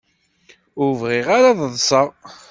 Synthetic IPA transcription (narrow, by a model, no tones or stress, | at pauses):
ʊɾvʁɪʁaɾaðˤənsəʁ